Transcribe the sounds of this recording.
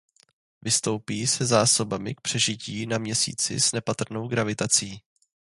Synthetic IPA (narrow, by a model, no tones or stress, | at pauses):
vɪst̪o̞wpiːsɛzaːso̞bamɪk̚pr̝̥ɛʒɪciːnamɲɛsḭːt͡sɪ̰z̥nɛpat̪r̩no̞wɡɾavɪt̪at͡siː